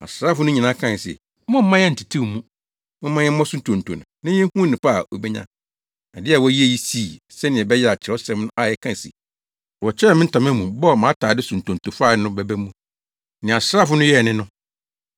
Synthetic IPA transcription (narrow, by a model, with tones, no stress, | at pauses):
a̰˨sɾaː˦˨fʊ˨˦nʊ̃˦ɲĩ˨nã˦kʰã˦˨n˨sɛ̰˨˦ | mʊ̃˦m̩˦mã˦jɛ˦n̩˨tʰi˨tʰĩ˦˨mũ˦ | mɪ̃˦mã˦jɛ˦mɔ̃˦sũ˦ntʰõ˨n̩˨tʰo̰˨nʊ̰̃˨nɪ̃˦ɛ˦hũ˦nɪ̃˨pʰa˦˨ʔo̰˨bɛ˦ɲã̰˦ | a˨dɪ˦a˨wɔ˦ji˦e˨ji˦si˦˨ | sɛ˦nɪ̃˨ɛ˨bɛ˦jɛ˦a˨t͡ɕʰɪ˨˦ɔ˦sɛ̃˦mnʊ̃˦ʔa˦˨jɛ˦kʰã˦˨sḭ˨ | ɔ˨t͡ɕʰɛ˦˨mɪ̃˦n̩˦tʰã˨m˦ɛ̃˦mũ˨bɔ˦˨mã˨˦tʰaː˨dɪ˦sũ˨n̩˨tʰõ˨n˨tʰu˨fa˦˨˦nʊ̃˦bɛ˨bæ˦mũ˦ | nɪ̃˨a˨sɾaː˦fʊ˨˦nʊ̃˦jɛ˦˨nɪ̃˦nʊ̃˦